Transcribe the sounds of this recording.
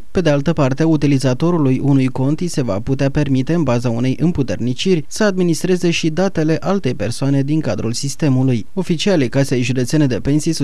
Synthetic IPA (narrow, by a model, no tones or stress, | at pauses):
pe̞d̪e̞alt̪əpart̪e̞ut̪ilizat̪o̞ɾulujʔunujko̞nt̪ise̞va̰put̪eape̞rmit̪e̞ɨnbazaune̞jʔɨmput̪e̞̰rnit͡ʃirʲsəad̪minist̪ɾe̞ze̞ʃid̪at̪e̞le̞ʔalt̪e̞jpe̞rsoane̞d̪iŋkad̪ɾulsist̪e̞muluj | o̞fit͡ʃialejkasejʒud̪e̞t̪sene̞d̪e̞pe̞nsis